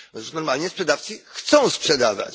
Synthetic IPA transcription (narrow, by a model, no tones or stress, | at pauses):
nɔɾmalɲɛspʂɛd̪aft̪sɨxt̪sɔ̃w̃spʂɛd̪ava̰t͡ɕ